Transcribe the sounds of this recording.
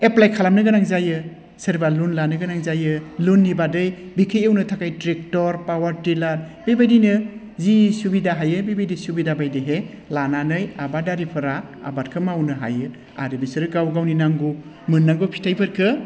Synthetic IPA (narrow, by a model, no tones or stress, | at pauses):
eplajkʰalamnɯɡɯnaŋzajɯ | seɾbalunlanɯɡɯnaŋzajɯlunːibadɯj | bikʰeewnɯtʰakajtɾek̚tɔɾpawaɾtilaɾ | bebajdijnɯ | zisubidaɦajɯbebajdisubidabajdɯɦe | lananɯjabadaɾipʰɯɾa̰ːbat̚kʰɯmawnɯɦa̰jɯ | a̰ɾebisɯɾɯɡawɡawninaŋɡu | mɯnːaɡopʰi̥tʰajbɯɾkʰɯ